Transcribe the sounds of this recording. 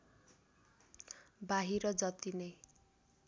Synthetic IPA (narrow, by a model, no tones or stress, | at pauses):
baɦiɾʌd͡zʌt̪inʌj